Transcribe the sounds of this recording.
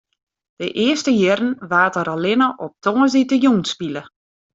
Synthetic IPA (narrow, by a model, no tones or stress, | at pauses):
d̥əʔɪəstəjɪɾn̩ʋaːtəɾalɪnəʔɔp̚tɔŋəsditəjunspilə